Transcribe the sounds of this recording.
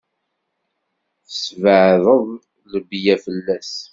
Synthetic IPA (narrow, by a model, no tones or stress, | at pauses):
θəsvəʕðəðˤ | ləbjæfəlːæs